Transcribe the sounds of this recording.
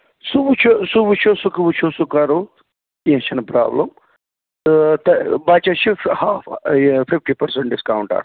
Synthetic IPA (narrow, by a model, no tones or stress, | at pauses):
subut͡ʃʰosubut͡ʃʰosukɐbut͡ʃʰosukaːɾo | enʃɐnɐpɾa̰ːblɐm | t̪ɐbaːt͡ʃɐʃuhaːfpʰipʈipɐɾseɳʈɖiskɐwɳʈɐ̰ɾ